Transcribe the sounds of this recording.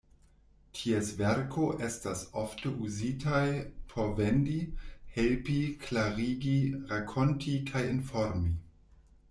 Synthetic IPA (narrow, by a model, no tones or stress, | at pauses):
tʰiesveɾkʰoʔestasoftəʔuzitʰajpʰovendihelpiklaɾiɡiɾakʰontʰikʰajinfoɾmi